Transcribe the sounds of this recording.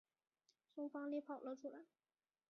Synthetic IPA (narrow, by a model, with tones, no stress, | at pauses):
ʈ͡ʂʊ˥ŋfɑ˥ŋli˥pʰɑ˨˩ʊlə˥˩ʈ͡ʂʰu˥la̰˧˥ɪ